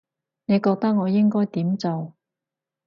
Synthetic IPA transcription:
ne˨˧jkɔː˧k̚t̪ɐ˥k̚ŋɔː˨˧jɪ˥ŋkɔː˥jt̪iː˨˥mt͡so˨w

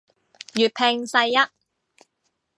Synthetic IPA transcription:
jyː˨t̚pʰɛː˧ŋsɐ˧jːɐ˥t̚

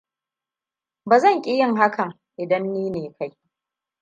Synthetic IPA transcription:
baː˨zɐ˦˨ŋkʲʼɪ˦jɪ˦˨ŋɦa˦kʰɐ˨ŋ | ʔɪ˨dɐ˦nːiː˦neː˨kʰa˦j

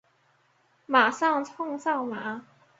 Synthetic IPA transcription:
ma˨˩ʂɑ˥˧ŋt͡sʰʊ˥˧ŋsɑ˥˩ʊma˨˩˦

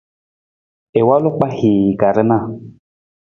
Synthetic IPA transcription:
e˨wa˦lʊ˦k͡pa˦hi˨ɡa˨ɾɨ˦na˦˨

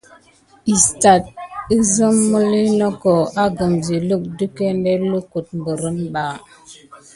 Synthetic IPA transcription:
i˨sta˨t̚ə˦zə˦mːu˦li˦nɔ˦ko˨a˦ɡə˨mzi˨lu˦k̚du˦ke˦nde˦lu˦ku˨t̚mbə˨ɾə˦nba˨

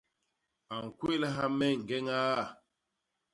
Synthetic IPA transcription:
a˨ŋ̩˨kwe˦la˦ɦa˦mɛ˦˨ŋ̩˨ɡɛ˦ŋaː˦˨

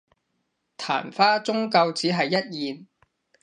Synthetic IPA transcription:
t̪ʰa̰ː˨˩nfaː˥t͡sʊ˥ŋkɐ˧wt͡siː˨˥ɦɐ˨jːɐ˥t̚jiː˨n

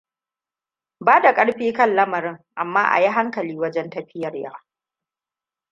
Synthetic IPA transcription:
baː˦da˨kʼɐ˦ɽɸiː˦kɐ˦nlɐ˦mɐ˨ɾɪ˦ŋʔa˨mːaː˦ʔa̰˨ji˦ɦa˦ŋkɐ˨liː˦wɐ˦d͡ʒɛ˦ntɐ˦ɸɪ˦jɐ˨rjaː˦

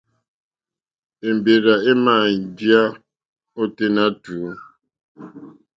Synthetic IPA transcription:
e˨m˨be˨ɾa˨e˦ma˨n˨dja˦ | o˦te˦na˦tu˨˦

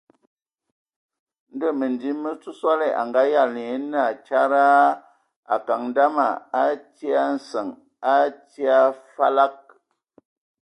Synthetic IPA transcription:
n̩˦də˦˨mə˨ndi˨˦mə˦t͡su˦swa˦le˨ʔa̰˨ŋɡa˨˦ja˦˨ln˦a˨t͡ʃa˦ɾa˦ | a̰˨ka˨ŋn˦da˦ma˨a˦ti˦a˦n̩˨sə˨ŋ | a˦ti˦a˦fa˦la˦k̚

